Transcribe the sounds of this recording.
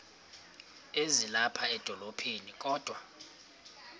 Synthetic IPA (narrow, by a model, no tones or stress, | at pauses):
ezilapʰaɛd̥ʱɔlopʰenikʼɔːd̥ʱwa